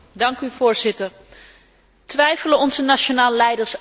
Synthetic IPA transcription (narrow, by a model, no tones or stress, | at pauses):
dɑŋkyvʊːɹz̥ɪtəɹ | tʋɛjfələɔnzənat͡ʃonaːllɛjdəɹs